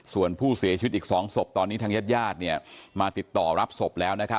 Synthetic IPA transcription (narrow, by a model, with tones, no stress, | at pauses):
su˨˩ənpʰuː˥˩si˨˩˦t͡ɕʰi˧˦˥t̪ʔiː˨˩ksɔː˩˦ŋso˨˩p̚t̪ɔː˧nːiː˦˥t̪ʰa˧˥ja˦˥t̪̚jaː˥˩t̪̚ni˥˩əmaː˧t̪i˨˩t̪ːɔː˨˩ɾa˦˥p̚so˨˩p̚lɛː˦˥wna˦˥kʰa˦